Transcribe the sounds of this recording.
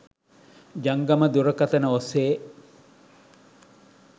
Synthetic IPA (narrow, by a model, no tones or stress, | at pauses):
d͡ʒɐŋɡɐməd̪uɾəkɐt̪ənəoseː